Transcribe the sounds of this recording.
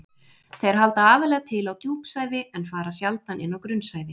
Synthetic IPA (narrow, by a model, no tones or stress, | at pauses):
θejɾ̥ɦalt̪aaːvɪɾlɛːɣat̪ʰɪlawt̪juːpsaːjvɪɛnfaːɾasjalt̪anʔɪ̰nːawkɾʏnsaːjvɪ